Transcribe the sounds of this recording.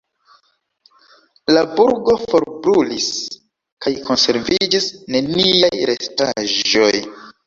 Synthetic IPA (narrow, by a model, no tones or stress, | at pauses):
labuɾɡo̞fo̞ɾbɾulis | kajkʰo̞nse̞ɾvid͡ʒisne̞niajɾe̞staʒo̞j